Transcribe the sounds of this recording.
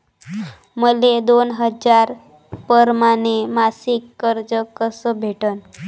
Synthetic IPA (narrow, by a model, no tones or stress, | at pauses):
məled̪onɦəd͡zaɾ | pəɾmanemasikːəɾd͡zəkəsəbʱeʈən